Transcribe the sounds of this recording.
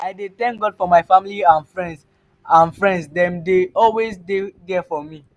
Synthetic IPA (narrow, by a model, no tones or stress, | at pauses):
aɪdet̪ɛ̃ŋk̚ɡɔdfɔmaɪfamiliãnfɹɛ̃nds | ãnfɹɛ̃ndsdɛ̃mdeɔlwesdeɡɛfɔmi